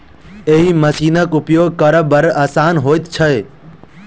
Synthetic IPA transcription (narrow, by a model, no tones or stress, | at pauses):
eɦiməsiːnəkʊpjoːɡ̚kəɾəbəɾaːsaːnɦoːɪt̪t͡ʃʰəe